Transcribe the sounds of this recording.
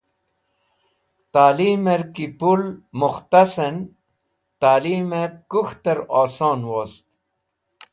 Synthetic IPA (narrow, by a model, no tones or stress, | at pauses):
t̪aːliːmeɾkipulmuxt̪asen | t̪aːliːmekuxt̪ɐɾoːsoːnwost̪̚